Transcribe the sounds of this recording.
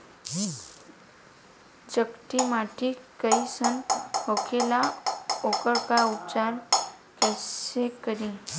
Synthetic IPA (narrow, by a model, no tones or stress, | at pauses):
d͡ʑəkʈ̪imaʈʰikəisənɦokʰelaokəɾkaut͡ɕaɾ | kəsekəɾĩ